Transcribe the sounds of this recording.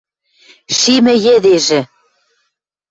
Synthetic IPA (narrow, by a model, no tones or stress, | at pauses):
ʃimɘ̆jɘ̆d̪eʒɘ̆